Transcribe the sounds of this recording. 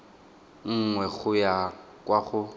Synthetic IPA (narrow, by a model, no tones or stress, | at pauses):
ŋ̩ŋwɛɣʊja | kʼwaχʊ